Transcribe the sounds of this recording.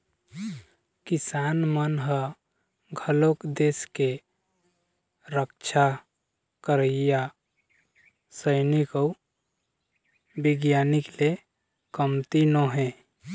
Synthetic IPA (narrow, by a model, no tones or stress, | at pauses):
kisanmənɦə | ɡʱəlokd̪eske | ɾək̚t͡ʃʰa | kəɾəija | səɪniko | biɡjanikle | kəmt̪inoɦɛ̃